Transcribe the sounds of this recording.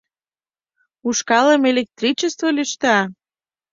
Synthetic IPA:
uʃkɑləmelek̚t̪rit͡ɕest̪volyʃt̪ɑ

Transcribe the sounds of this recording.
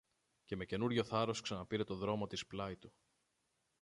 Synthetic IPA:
ce̞me̞ce̞nuɾʝo̞θɐɾo̞sksɐnɐpiɾe̞t̪o̞ðɾo̞mo̞t̪isplɐit̪u

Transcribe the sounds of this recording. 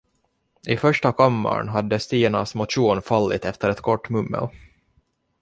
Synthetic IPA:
ʔɪfœʂʈakʰamːa̰ɳɦad̪ːəst̪iːɳasmʊt̪ʂuːnfalːɪt̪ɛft̪əɾɛt̪kʰɔʈːmɵmːə̰l

